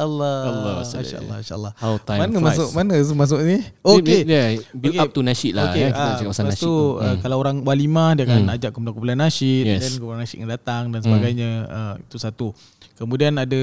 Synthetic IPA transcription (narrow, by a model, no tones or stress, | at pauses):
ʔəlːalaʃa̰ʔə̰lːa̰nʃa̰ə̰lːahat̪amanəmasʊʔmanət̪̬umas̬ʊʔnioejabilkap̚t̪unaʃit̪laoeaiad͡ʒakap̚masaaat̪uəkalaoɾaŋbwalimahdiakanad͡ʒaʔkəmpulakupulanaʃit̪ɛdankupulanaʃit̪̚ŋəndat̪aŋdansəbaɡajɲaəit̪usat̪u | kəmudianada